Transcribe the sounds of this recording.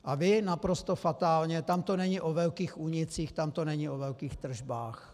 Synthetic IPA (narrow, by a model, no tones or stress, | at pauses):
ʔavɪnapɾost̪ofat̪aːlɲɛt̪amt̪onɛɲɪʔovɛlkiːxʔuɲɪt͡siːxt̪amt̪onɛɲɪʔovɛlkiːxt̪r̩ʒbaːx